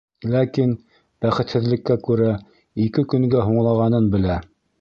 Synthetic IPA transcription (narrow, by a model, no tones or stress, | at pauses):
lækin | b̥æχɘ̆t̪hɘ̆ðlɘ̆kːækʉɾæ | ikɘkɵ̆ŋɡæɦuɴlˠɑʁɑnɤnbɘ̆læ